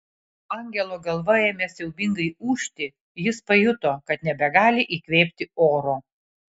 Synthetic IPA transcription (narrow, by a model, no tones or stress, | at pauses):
ɑˑŋʲɡʲɛlˠoːɡɐlˠʋɐjeːmʲesʲɛʊbʲɪŋɡɐɪuːʃʲt̪ʲɪ | jɪspɐjʊt̪oːkɐt̪nʲɛbʲɛɡɑːlʲɪʔiːkʋʲeːpʲt̪ʲɪoːɾoː